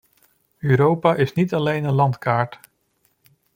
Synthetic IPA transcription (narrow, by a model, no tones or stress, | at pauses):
øːɾowpaʔɪsnitɑlejnənlɑntkaːɹt